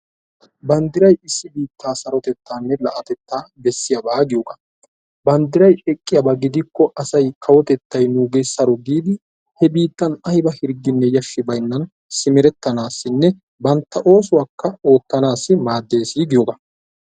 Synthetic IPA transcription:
bɐnd̪ɪɾɐjɪsːɪbiːt̪ʰːaːsɐɾɔt̪ɛt̪ːaːnːɛlɐʔɐt̪ɛt̪ːaːbɛsːɪjɐbaːɡɪjɔɡɐ | bɐnd̪ɪɾɐjɛkʼːɪjɐbɐɡɪd̪ɪkːɔʔɐsɐjkʰɐwɔt̪ɛt̪ːɐjnuːɡejsɐɾɔɡ̪iːd̪ɪ | hɛbiːt̪ːɐnɐjbɐhɪɾɡːɪnːɛjɐʃːɪbɐjnːɐn | sɪmɪɾɛt̪ːɐnaːsːɪnːɛ | bɐnt̪ːɐʔo̞ːs̬ʊwakːɐo̞ːt̪ːɐnaːsːɪmaːd̪ːe̞ːsiːɡɪjoɡɐ

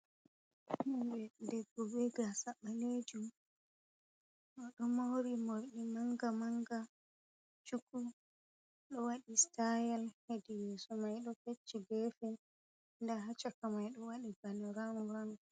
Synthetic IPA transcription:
hibɛdɛbːɔbɛɡasaɓːaled͡ʒum | ɔɗɔmowɾimoɾɗimaŋɡamaŋɡa | t͡ʃuku | ɗɔwaɗistajalhedijɛsɔmajɗɔket͡ʃːiɡɛfɛ | ndaɦat͡ʃːakamajɗɔwaɗibanɔɾamɔɾaŋɔ

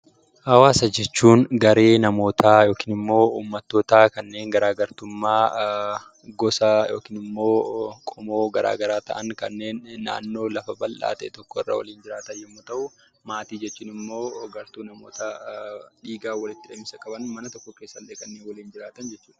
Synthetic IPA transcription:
hɐwaːsɐd͡ʒɛt͡ʃːuːnɡɐɾe̞ːnɐmo̞ːt̪ʰajo̞ːkiːnɪmːo̞ːṵːmːɐt̪ːoːt̪aːkɐnːe̞ːŋɡɐɾaːɡɐɾt̪ʊmːaː | ɡɔsɐjo̞̰ːkinɪmːo̞ːkʼɔmoːɡɐɾa̰ːɡɐɾaːt̪ɐʔɐŋkɐnːe̞ːnːa̰ːnːo̞ːlɐfɐbɐlʔa̰ːt̪ɐʔɛt̪ɔkːɔɪrːa̰ːwɐ̰liːnd͡ʒɪɾaːt̪ɐjɪmːot̪ɐʔʊ | maːt̪iːd͡ʒɛt͡ʃːuːnɪmːo̞ːɡɐɾt̪uːnɐmo̞̰ːt̪ɐᶑiːɡaːwɐlɪt̪ːɪᶑɐmɪsɐkʼɐbɐnmɐnɐt̪ɔkːɔkeːsːɐlːeːkʼɐnːeːnwɐliːnd͡ʒɪɾaːt̪ɐnd͡ʒɛt͡ʃːuːᶑɐ̥

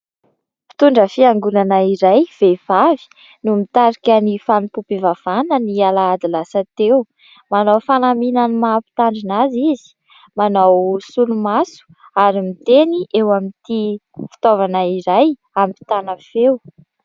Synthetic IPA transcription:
pi̥t̪uɳɖ͡ʐəfiaŋɡunanaiɾajv̥ev̥avi̥ | numit̪aɾikʲanifanupupivav̥anənialaad̪ilasat̪ew | manawfanaminanimapi̥t̪aɳɖ͡ʐinazizi̥ | manawsulumasu̥ | aɾimit̪eniʔewamit̪ifi̥t̪ovanaiɾaj | amipi̥t̪anafew

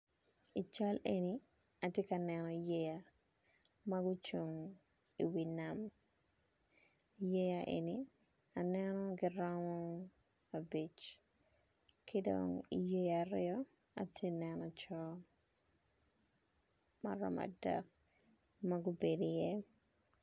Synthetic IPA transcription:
it͡ʃaleni | ɐtjekɐnɛnɔjeja | mɐɡʊt͡ʃoŋ | ḭwinam | jejaʔḛni | anɛnɔɡɪɾɔmɔ | abit͡ʃ | kɪdɔ̰ŋḭjejaɾɪɔ | a̰tʰjenɛnɔt͡ʃɔ | mɐ̰ɾɔ̰ma̰dɛ̰k | mɐɡʊbedojɛ

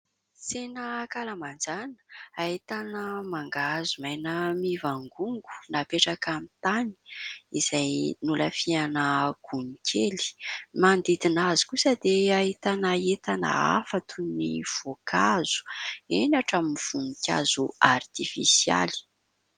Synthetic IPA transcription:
t͡senəkalamand͡zanə̥ait̪anəmaŋɡazumajnəmivaŋɡuŋɡu̥napeʈ͡ʂakamit̪ani̥iz̥ajnuləfianəɡ̥unikʰʲeli̥mand̪id̪inazu̥kusəd̪eaɦit̪anaet̪ana̰a̰fat̪ʰunniv̥okʰaz̥u̥enaʈ͡ʂaminiv̥unikʲa̰zuart̪ifḭsia̰li̥

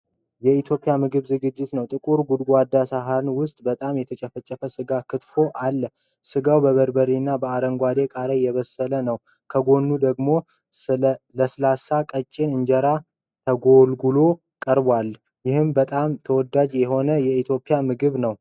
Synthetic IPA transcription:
jɛit̪ʰjo̞pʼːjamɨɡɨβzɨɡɨd͡ʒːɪt̪nəwt̪ʼɨkʼuɾɡud̪ɡʷad̪ːasaɦanwʊst̪ʼbət̪ʼamjɛt̪ʰət͡ʃʼɛfət͡ʃʼːəfəsɨɡakʰɨt̪fo̞ʔalːə | sɨɡawbəβəɾbəɾinːabəaɾəŋɡʷad̪e̞kʼaɾəjːɛβəsːələnəw | kʰəɡo̞nːud̪əɡmo̞ | ləsɨlasakʼət͡ʃʼːenɨɲd͡ʒɛɾa | t̪ʰəɡo̞lɡulo̞ | kʼəɾbwal | jɪhɨmbət̪ʼamt̪ʰəwɔd̪ad͡ʒjɛɦo̞nəjɛit̪ʰjo̞pʼːɪjamɨɡɨβnəw

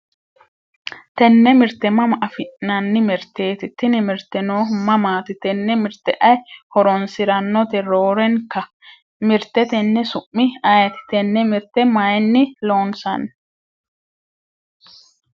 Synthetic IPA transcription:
t̪ɛnːɛmɪɾt̪ːɛmɐmɐʔɐfɪʔnɐnːɪmɪɾt̪ːe̞ːt̪ɪt̪ːɪnɪmɪɾt̪ːɛnoːmɐmaːt̪ɪt̪ɛnːɛmɪɾt̪ːɛʔɐjhɔɾɔnsɪɾɐnːɔt̪ɛɾoːɾɛŋkːɐ | mɪɾt̪ːɛt̪ɛnːɛsʊʔːɪɐjɐt̪ɪ̥t̪ɛnːɛmɪɾt̪ɛmɐjnːɪlo̞ːnsɐn

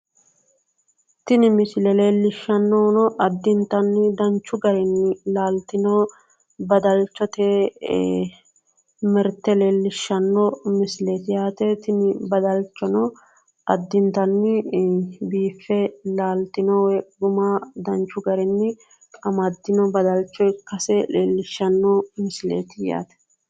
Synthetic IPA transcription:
t̪ɪnɪmɪslɛleːlːɪʃːɐnːonɔʔɐd̪ːɪnt̪ɐnːɪd̪ɐnt͡ʃːʊɡɐɾɛnːɪlaːlt̪ːɪnoː | bɐd̪ɐlt͡ʃːɔt̪e | mɛɾt̪ːɛleːlːɪʃːɐnːɔmɪslɛt̪ɪjaːt̪ɛt̪ɪnɪbɐd̪ɐlt͡ʃːɔnɔ | ɐd̪ːɪnt̪ɐnːɪ | biːfːɛlaːlt̪ɪnɔwɛɡʊmɐd̪ɐnt͡ʃːʊɡɐɾɛnːɪ | kʼɐmɐd̪ːɪnɔbɐd̪ɐlt͡ʃːɔjkɐsɛleːlːɪʃːɐnːɔmɪslḛːt̪ɪja̰ːt̪ɛ̥

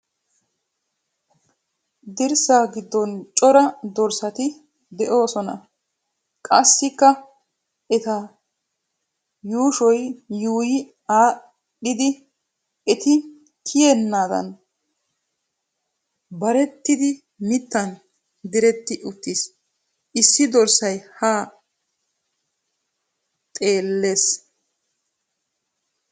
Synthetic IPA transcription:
d̪ɪɾsaːɡɪd̪ːɔnt͡ʃʼɔɾɐd̪ɔɾsɐt̪ɪ | d̪ɛʔo̞ːsɔnɐ̰ | kʼɐsːɪkːɐ | ɛt̪ɐ | juːʃɔjjuːjɪ | aː | ɗɪd̪ɪ | ɛt̪ɪ | kʰɪjɛnːaːd̪ɐ̰n | bɐɾɛt̪ːɪd̪ɪ | mɪt̪ːɐn | d̪ɪɾɛt̪ːɪʔʊt̪ːis | ʔɪsːɪd̪ɔɾsɐjhaː | t̪ʼe̞ːlːe̞ːs

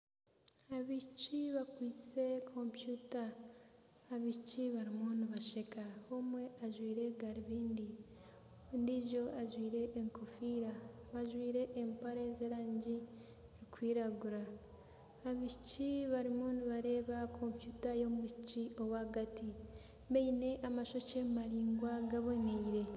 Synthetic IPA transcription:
aβit͡ʃiβakwiːt͡se̞kʰo̞mpjutaː | βit͡ʃiβaɾimuːnuβaʃekaomwe̞ʔaʒwiːɾe̞ɡaɾiβiːndi | ndiʒo̞ʔaʒwiːɾe̞ʔːŋko̞fiːɾa | βaʒwiːɾe̞ʔːmpaɾezeːɾaːɲɟi | ɾikwiːɾaɡuɾaː | βiciβaɾimuːnuβaɾe̞ːβakʰo̞mpjutajo̞mucio̞waːɡati | βeine̞ʔamaʃo̞cemaɾiːŋɡwaɡaβo̞neiɾe̞

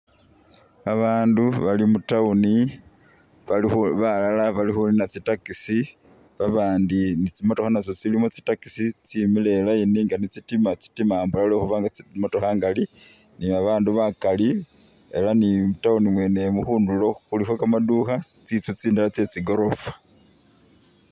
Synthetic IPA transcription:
aβaːnduβalimutauni | βaixβalalaβalixuninat͡sitakisi | βaβaːndinit͡simo̞to̞xanaso̞t͡silimot͡si̥taki̥sit͡similelainiŋɡanit͡sitimat͡si̥timaːmbulalo̞ːxuβaːŋɡat͡smoto̞xaŋɡali | niβaβaːnduβakali | e̞lanimutaunimwe̞ne̞muxuːndulo̞xulixokamaduːxa | t͡sit͡sut͡siːndalat͡se̞t͡siɡo̞ɾo̞fḁ

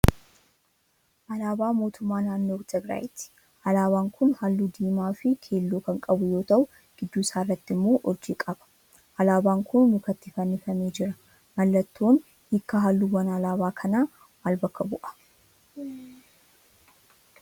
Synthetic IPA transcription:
ʔɐlaːbaːmo̞ːt̪ʊmːaːnaːnːoːt̪ɐɡɾa̰ːjt̪ɪ̥ | ʔɐlaːβaːŋkʰʊnhɐlːud̪iːmaːfɪkʰe̞ːlːoːkɐŋkʼɐbʊjo̞ːt̪ɐʔʊ | ɡ̥ɪd̪ːuːɪsaːrːɐt̪ːɪmːo̞ːʔɔd͡ʒiːkʼɐbɐ̥ | ʔɐlaːbaːŋkʊnmʊkɐt̪ːɪfɐnːɪfɐmeːd͡ʒɪɾɐ | mɐlːɐt̪ːoːn | hɪkːɐɦɐlːuwɐnɐlaːbaːkʰɐnaː | maːlbɐkːɐbʊʔɐ̥

